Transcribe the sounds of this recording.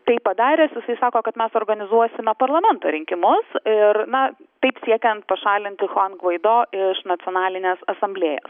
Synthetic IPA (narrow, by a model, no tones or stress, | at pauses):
t̪ɐɪppːɐd̪ɑːɾʲeːsjɪsɐɪsɑːkoːkɐt̪mʲɛsoːɾɡɐnʲɪzuɔsʲɪmʲɛpɐɾlˠɐmʲɛnt̪oːɾʲɪŋʲkʲɪmʊsɪɾnɐt̪ɐɪpsʲiɛkʲɛnt̪̚pɐʃɑːlʲɪnʲt̪ʲɪxoɐnɡʋɐɪd̪oːʔɪʃnɐt̪sʲɪoːnɑːlʲɪnʲeːsɐsɐmʲbʲlʲeːjo̰ːs